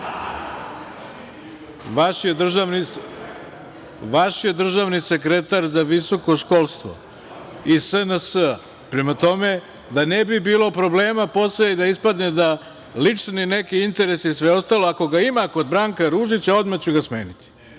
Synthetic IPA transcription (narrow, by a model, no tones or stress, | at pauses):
jed̪ra | ʋaʃje̞d̪r̩ʒaʋnise̞kɾe̞t̪aɾzaʋiso̞ko̞ʃko̞lˠst̪ʋo̰ | isənəsə | pɾe̞mat̪o̞me̞ | d̪anebibiːlˠo̞pɾo̞ble̞ːmapo̞sled̪aispad̪ned̪a | lit͡ʃnine̞kiint̪e̞ɾe̞sisʋe̞o̞st̪alo̞ako̞ɡaimako̞d̪bɾaːŋkaɾuʒit͡ɕao̞d̪mat͡ɕuɡasme̞ːnit̪i̥